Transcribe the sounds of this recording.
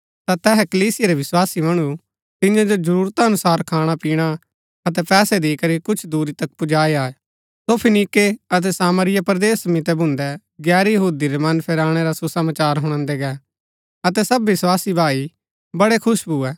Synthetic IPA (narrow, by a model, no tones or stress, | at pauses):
t̪at̪ɛːɦɛkɐliːsɪjeɾɛʋɪswaːsimɐɽ̃u | t̪ɪ̃jãd͡ʒod͡ʒɐɾuːɾt̪aɐnʊsaːɾkʰaːɽ̃apiːɽ̃a | ɐt̪̬ɛpɛːsɛd̪ikɐɾikʊt͡ʃʰd̪uːɾit̪ɐkpʊd͡ʒaːeaːɛ | sopʰɪnikeɐt̪̬ɛsaːməɾɪjapɾd̪eːsmɪt̪ɛbʱʊ̃nd̪ɛ | ɡɛːɾjɐɦuːd̪iɾɛmɐnpʰɛɾaːɽ̃ɛɾasusɐmaːt͡ʃaːɾɦʊ̃ɽ̃ə̃ːnd̪ɛɡɛː | ɐt̪ɛsɐbʋɪswaːsibʱaːi | bɐɽekʰʊʃbuɛː